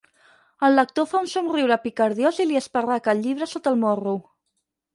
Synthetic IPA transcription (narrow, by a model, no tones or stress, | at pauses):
əlːək̚t̪ofaunsunriwɾəpikəɾðjoziliəspərakəlʲʎːiβ̞ɾəsot̪əlˠmoru